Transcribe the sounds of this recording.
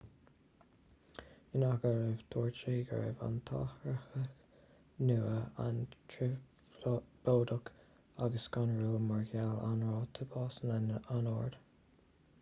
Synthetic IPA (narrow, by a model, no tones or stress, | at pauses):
ɪnaɡəɾəvt̪ʰuːɹt͡ʃiɡə̰ɹḛva̰nt̪ʰɑ̰ːxɾəxəx | nuːəantʰɾɪ | b̥oːd̪ək | aɡəskanɹulmaɹɡalanɹɔːt̪ʰəbɑːsənanəʔanɔːɹd̪̥